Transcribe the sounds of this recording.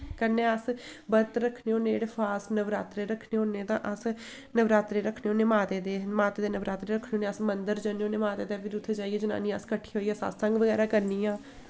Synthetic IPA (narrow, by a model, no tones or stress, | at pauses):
kənːeːəsbət̪ɾəkʰneːõːneːɽepʰaːsnəʋɾaːt̪ɾeːɾəkʰneːoːneːt̪ã̰ːʔəs | nəʋɾaːt̪ɾeːɾəkʰneːõːneːmaːt̪eːd̪eːmaːt̪eːd̪eːnəʋɾaːt̪ɾeːɾəkʰneːoːnẽːəsmənd̪əɾd͡ʒəneːõːneːmaːt̪eːd̪eːbiɾʊt̪ʰed͡ʒaːiɛːd͡ʒəna̰ːnĩːəskəʈʰːi̥ːɦoːiːɛːsa̰ːssə̃ŋɡʋəɡɛːɾaːkəɾniːãː